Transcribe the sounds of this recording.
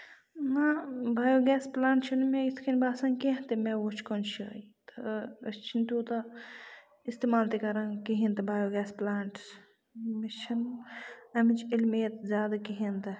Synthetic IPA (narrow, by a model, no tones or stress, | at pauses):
nabʱaːjoːɡɛːsplaːɳʈt͡ʃʰunmeit̪ʰkʰinbaːsãŋkeɦt̪imeʋot͡ʃʰkont͡ʃʰə̰it̪ɐɐst͡ʃʰint̪uːt̪ɐ | ist̪eːmaːlt̪ikɐɾãkiɦĩnt̪ɐbʱaːjoɡɛːsplaːɳʈ | mit͡ʃʰɐn | ɐmit͡ʃʰilmeːt̪zjaːd̪akiɦint̪ɐ